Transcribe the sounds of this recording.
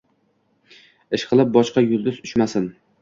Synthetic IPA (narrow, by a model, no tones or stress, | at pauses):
ɪʃqʰɨlˠɪp̚bɒʃqɑjʊlˠd̪ɪzʊʃmasɪn